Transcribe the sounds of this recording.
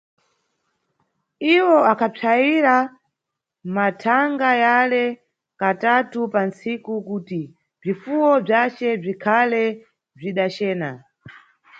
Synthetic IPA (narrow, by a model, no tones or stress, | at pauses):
iwɔakʰapʰaiɾa | matʰaŋɡajalɛ | katatupansikukuːti | b͡ʐifuwɔb͡ʐat͡ʃɛb͡ʐikʰalɛ | b͡ʐiɗat͡ʃɛːna